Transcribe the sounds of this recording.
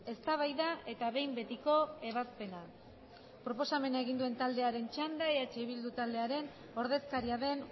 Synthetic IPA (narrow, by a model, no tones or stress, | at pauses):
e̞st̪aβ̞ajðae̞t̪aβe̞jmbe̞t̪iko̞e̞β̞aspe̞na | pɾo̞po̞same̞naeɣ̞ind̪ue̞nt̪ald̪e̞aɾe̞nt͡ʃand̪aeat͡ʃeβild̪ut̪ald̪e̞aɾe̞n | o̞ɾðe̞skaɾiaðe̞n